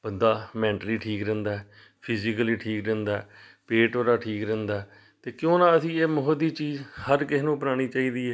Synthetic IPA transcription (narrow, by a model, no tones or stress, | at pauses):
bənd̪aːmɛ̃ːɳʈəɾiːʈʰiːkɾɛ̃ːnd̪aːɛː | pʰɪzɪkəliːʈʰiːkɾɛ̃ːnd̪aː | peːʈoːɾaːʈʰiːkɾɛ̃ːnd̪aː | t̪eːkjõːnãːəsĩːeːmʊɦəd̪iːt͡ʃiːzhəɾkɪɦnũːpənaːɽ̃iːt͡ʃaːiːd̪iːɛː